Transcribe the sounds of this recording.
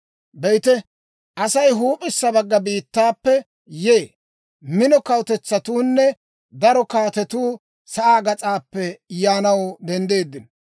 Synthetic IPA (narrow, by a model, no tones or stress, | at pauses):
bɛjt̪ɛ | ʔɐsɐjɦuːpʼɪsːɐbɐɡːɐbiːt̪ːaːpːɛ | jeː | mɪnɔkɐwt̪ɛt͡sːɐt̪uːnːɛ | d̪ɐɾɔkaːt̪ɛt̪uː | sɐʔaːɡɐt͡sʼaːpːɛjaːnɐwd̪ɛnd̪e̞ːd̪ːɪn